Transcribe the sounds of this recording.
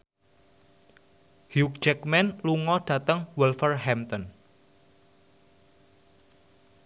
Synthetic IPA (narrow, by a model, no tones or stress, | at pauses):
hjuk̚d͡ʒɛkmɛnluŋɔɖ̥a̤t̪əŋwɛlfərɦɛmt̪ɔn